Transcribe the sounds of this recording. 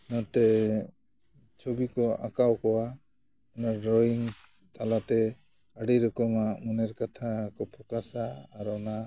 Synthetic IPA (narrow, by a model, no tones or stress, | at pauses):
nɔt̪ɛ | t͡ʃʰɔbikɔʔa̰kawkɔwa | ɔnaɾɾɔjiŋ | t̪ʰalat̪ɛ | aɖiɾɔkɔmaʔmunɛɾkat̪ʰakɔpʰɔkasaːɾɔna